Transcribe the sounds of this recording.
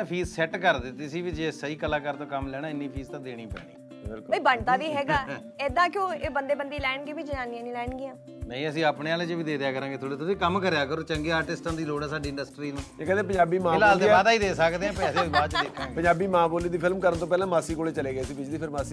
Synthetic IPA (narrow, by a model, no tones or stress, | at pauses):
pʰiːzsɛʈkəɾd̪ɪt̪ːiːsiːʋid͡ʒeːsəiːkəlãːkəɾt̪õːkəmlɛːnãːɪnːiːpʰiːzt̪ãːd̪eːɽ̃ĩːpɛ̰ːɽĩː | bɪlkbiːbəɳt̪aːʋiːɦɛːɡaː | eːd̪ãːkjõːebənd̪eːbənd̪iːlɛːɳɡiːbiːd͡ʒəãːnijãːnĩːlɛːɳɡɪjãː | nɛ̃ːĩːəsĩːəːpɳeːaːleːt͡ʃəʋiːd̪eːd̪ejaːkəɾãːɡeːt̪ʰoːɽeːt̪ʊsĩːkəmkəɾjaːkəɾoːt͡ʃəŋɡeːaːɾʈɪsʈãːd̪iːloːɽaːsaːɖiːɪ̃ɳɖəsʈɾiːnũːẽːkɛ̃ːeːpəɲd͡ʒaːbiːmãɪlaːlebaːd̪aːiːd̪eːsəkd̪eːãːpɛːseːʋiːbaːt͡ʃːdeːkʰːãːɡpəɲd͡ʒaːbiːmãːboːliːd̪iːpʰɪlmkəɾənt̪õːpɛːlãːmaːsiːkoːleːt͡ʃəleːɡeːsiːbɪd͡ʒd̪iːpʰɪɾmaːsiː